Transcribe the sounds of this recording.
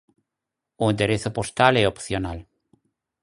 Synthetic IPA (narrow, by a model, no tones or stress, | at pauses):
ʊẽnd̪eɾeθʊpost̪alɛopθjonal